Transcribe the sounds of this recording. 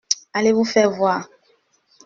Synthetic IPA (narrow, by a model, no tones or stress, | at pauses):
aleβufɛvwa